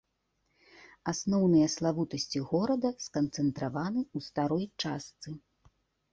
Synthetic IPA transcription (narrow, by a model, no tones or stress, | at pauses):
asnɔwnɨjɐslˠavut̪ɐsʲt͡sʲiɣɔɾɐd̪ɐskɐnt̪sɛnt̪ɾavanɨust̪aɾɔjt͡ʂast̪sɨ